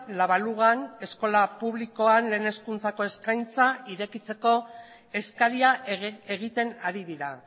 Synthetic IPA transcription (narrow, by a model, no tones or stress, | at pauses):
laβaluɣane̞sko̞lapuβliko̞anle̞ːne̞skunt͡sako̞e̞skajnt͡saiɾe̞kit͡se̞ko̞ | e̞skaliae̞ɣ̞it̪e̞naɾiðiɾa